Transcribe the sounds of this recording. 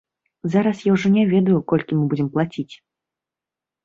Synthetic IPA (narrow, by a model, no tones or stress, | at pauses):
zaɾɐsjawʐɔnʲavʲɛd̪ɐjukɔlʲkʲimɨbud͡zʲɛmplˠat͡sʲit͡sʲ